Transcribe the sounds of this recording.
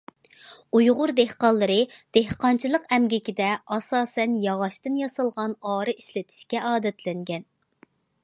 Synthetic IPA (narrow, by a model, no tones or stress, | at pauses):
ujʁʊɾd̪ehqɑlˠːɨɾɨd̪̥ehqɑnt͡ʃʰilˠəqɛmɡʲɪkʲid̪ɛɑsɑːsɛnjɑʁɑʃt̪ɨnjɑsɨlˠʁɑnɑːɾɨiʃlɪt̪ʰi̥ʃkʲɛʔɑːd̪ɛt̪lɪŋɡʲɛn